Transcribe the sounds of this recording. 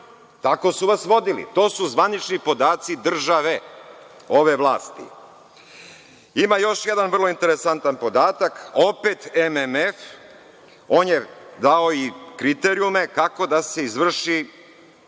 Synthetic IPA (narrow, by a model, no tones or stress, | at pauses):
t̪ako̞suʋasʋo̞d̪ilḭt̪o̞ːsuzʋanit͡ʃnipo̞d̪aːt̪sid̪r̩ʒaʋe̞ | o̞ʋe̞ʋlˠaːst̪ḭ | imajo̞ʃjed̪anvr̩lˠo̞int̪eɾesant̪anpo̞d̪aːt̪ako̞pe̞t̪ememef | o̞ːnjed̪ao̞ikɾit̪eɾiume̞kako̞d̪ase̞izʋr̩ʃi